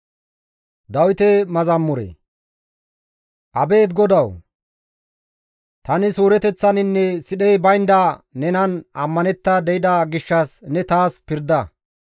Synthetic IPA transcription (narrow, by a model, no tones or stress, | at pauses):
d̪ɐwɪt̪ɛmɐzɐmːʊɾḛ | ʔɐbe̞ːt̪ɡɔd̪ɐw | t̪ɐnɪsuːɾɛt̪ɛt͡sːɐnɪnːɛsɪɗɛjbɐjnd̪ɐnɛnɐnɐmːɐnɛt̪ːɐd̪ɛjɪd̪ɐɡɪʃːɐsnɛt̪aːspɪɾd̪ɐ